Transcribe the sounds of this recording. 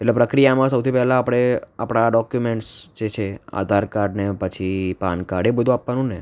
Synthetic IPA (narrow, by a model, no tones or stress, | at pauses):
eʈlepɾəkɾijamãsəwt̪ʰipɛɦlaːpɽ̃eapɽ̃aɖɔkjumeɳʈsd͡ʒet͡ʃʰea̰d̪ʱaɾkaɾɖnepət͡ʃʰipa̰nkaɽebəd̪ʱũapʋanũne